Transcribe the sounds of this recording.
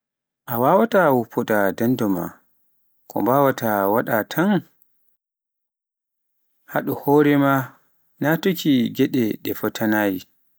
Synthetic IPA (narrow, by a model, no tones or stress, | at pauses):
ʔawawatawupʰːɔdadandɔma̰ | kɔ̰mbawatawaɗatʰan | haɗɔhɔːɾɛma | natokiɡɛɗɛɗɛfɔtʰanaːji